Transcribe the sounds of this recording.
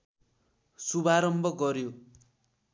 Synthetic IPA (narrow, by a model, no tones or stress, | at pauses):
subaɾʌmbʱʌɡʌɾjo